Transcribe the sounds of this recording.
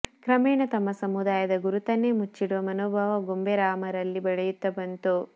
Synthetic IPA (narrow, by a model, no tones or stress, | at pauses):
kɾɐmɛːɳɐt̪ɐmːɐsɐmud̪aːjɐd̪ɐɡuɾut̪ɐnːemut͡ʃːiɽuʋɐmɐnoːbʱɐʋɐɡombeɾaːmɐɾɐlːibɐɭɐjut̪ːɐbɐnt̪u